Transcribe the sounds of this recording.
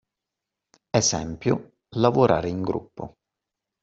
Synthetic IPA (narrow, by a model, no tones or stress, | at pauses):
ɛsɛmpjʊ̰ | lavoɾʔa̰ːɾeiŋɡɾṵpːo̰